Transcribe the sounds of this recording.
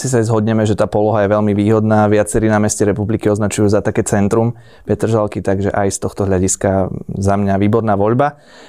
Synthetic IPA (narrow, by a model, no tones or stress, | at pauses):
sis̬ajzɦɔd̪ɲɛmɛʒɛt̪aːpɔlɔɦajɛʋɛʎmiʋiːɦɔd̪naːʋɪat͡sɛɾiːnamɛscɛɾɛpublikiɔznat͡ʃujuːzat̪akɛːt͡sɛnt̪ɾum | pɛt̪r̩ʒalkit̪aɡʒɛʔajst̪ɔxt̪ɔɦʎaɟiskazamɲaʋiːbɔɾnaːʋɔʎba